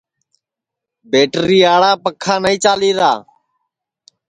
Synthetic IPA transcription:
beːʈɾiːaːɭaːpəkʰːaːnəĩːt͡ʃaːliːɾaː

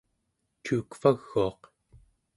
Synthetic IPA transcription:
t͡ʃuːkfaɣːuɑq

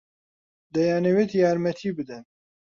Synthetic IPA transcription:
d̪ɛjaːnewet̪jaːɾmɛt̪ʰiːbɨd̪ɛn

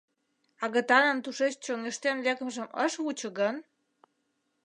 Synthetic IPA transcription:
ɑɣət̪ɑnə̆nt̪uʃet͡ɕt͡ɕoŋeʃt̪enlekəmʒə̆mʔə̰ʃβut͡ɕə̆ɣən

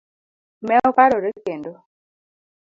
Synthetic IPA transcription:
mɛɔkaɾoɾekendo

